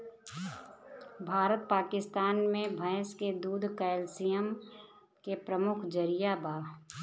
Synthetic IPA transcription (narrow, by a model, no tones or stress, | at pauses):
bʱaːɾət̪̚paːkɪst̪aːnmẽbʱə̃ːsked̪uːd̪ʱkəːlsijəm | kepɾəmʊkʰd͡ʒəɾijabaː